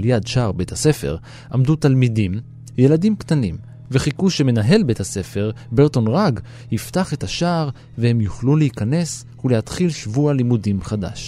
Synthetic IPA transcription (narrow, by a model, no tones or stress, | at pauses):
ljadʃaːʁbetʰase̞fḛʁ | ʔamdut̪almidim | je̞ladimkt̪anim | veχikuʃeme̞naɦe̞lbe̞thase̞fe̞ʁbe̞ʁto̞nʁaɡ | hiftaχetaʃaːʁ | vehe̞mjuχluleikane̞s | hulehat̪χilʃvualimudimχada̰ʃ